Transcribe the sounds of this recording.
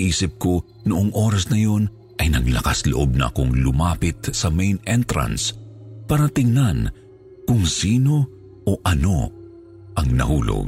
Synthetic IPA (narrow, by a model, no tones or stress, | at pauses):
ʔiːsɪp̚ko̞ | nʊʔoŋʔo̞ːɾɐsnɐjo̞n | ʔɐjnɐɡlɐkaslo̰ʔo̞b̚nɐʔɐ̰koŋlʊmaːpɪt̪sɐmejnɛnt̪ɾɐ̰nspaːɾɐt̪ɪŋnan | kʊŋsiːno̞ | ʔoʔɐno̞ | ʔɐŋnɐ̰huːlo̰ɡ̚